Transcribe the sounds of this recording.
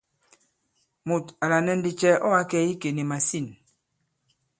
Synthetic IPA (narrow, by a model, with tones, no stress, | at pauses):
mu˨ta˨la˨nɛ˦n˦di˦t͡ʃɛ˦ɔ˦a˦kɛ˦i˦ke˨ni˨ma˨si˦˨n